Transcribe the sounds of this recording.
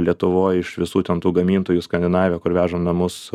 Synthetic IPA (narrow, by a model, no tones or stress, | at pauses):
lʲiɛt̪ʊʋoːjɪʃʋʲɪsuːt̪ʲɛnt̪uːɡɐmʲiːnt̪oːjuskɐnʲd̪ʲɪnɑːʋʲeːkʊɾʋʲæːʒoːmnɐmʊs